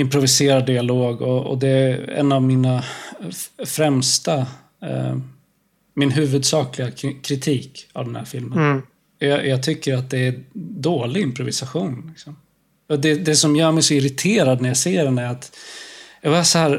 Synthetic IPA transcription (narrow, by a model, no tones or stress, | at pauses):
ɪmpɾʊvɪseːɾad̪ːɪaloːɡɔɔ̰d̪ɛɛ̰nːavmɪna | fɾɛmst̪a̰ | mɪnɦʉ̟ːvɵd̪sɑːklɪɡakʰɾɪt̪ʰiːka̰vd̪ɛnhæ̰ːɾfɪlmən | jɑjʔɑːɡ̚t̪ʰʏkːəɾat̪̚d̪ɛːd̪oːlɪɡɪmpɾʊvɪsaɧuːnlɪksɔm | ɔd̪ɛd̪ɛsɔmjœːɾmɛjsɔɪɾɪt̪ʰeːɾad̪næɾjaseːɾɛnæɾat̪ | jɑːɡbɑɾasɔhæːɾ